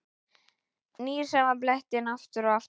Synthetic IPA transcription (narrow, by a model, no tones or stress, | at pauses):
niːɾ̥sɛmaplɛht̪ɪnaft̪ʏɾɔaf